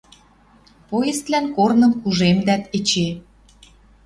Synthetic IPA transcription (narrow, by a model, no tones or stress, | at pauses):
pojest̪lænkornɤ̆mkuʒemd̪æt̪et͡ɕe